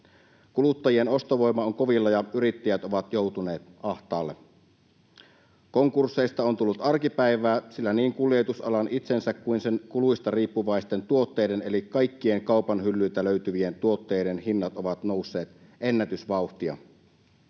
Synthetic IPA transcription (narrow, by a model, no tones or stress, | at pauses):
kulut̪ːɑjieno̞st̪oʋo̞jmːɑoŋko̞ʋilːɑjɑyɾit̪ːæjæt̪oʋɑt̪jo̞ut̪une̞ːt̪ɑht̪ɑːlːe | ko̞ŋkursːe̞ist̪ɑont̪ulːut̪ɑrkipæiʋæːsilːæniːŋkulˑiet̪usɑ̰lɑnʔit̪sensækkuinsenkuluist̪ɑriːpːuʋɑist̪e̞nt̪uo̞t̪ːeːde̞ne̞likkɑjkːie̞ŋkɑupɑnɦylːyːt̪æløyt̪yʋie̞nt̪uo̞t̪ːe̞ːdenhinːɑt̪oʋɑt̪no̞usːe̞ːt̪ | ʔenːæt̪ysʋɑuxt̪iɑ̰